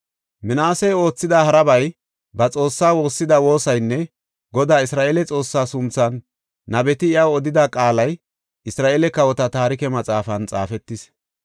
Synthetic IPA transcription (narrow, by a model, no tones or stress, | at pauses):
mɪnaːsɛjo̞ːt͡sːɪd̪aɦɐɾɐbɐj | bɐt͡sʼo̞ːsːaːwo̞ːsːɪd̪ɐwo̞ːsɐjnːɛ | ɡɔd̪aːɪsɾaːʔeːlɛt͡sʼo̞ːsːaːsʊnt͡sːɐnː | ɐbɛt̪ɪɪjaɔd̪ɪd̪akʼaːlɐj | ʔɪsɾaːʔeːlɛkɐwɔt̪ɐt̪aːɾɪkɛmɐt͡sʼaːfɐnt͡sʼa̰ːfɛt̪ːɪs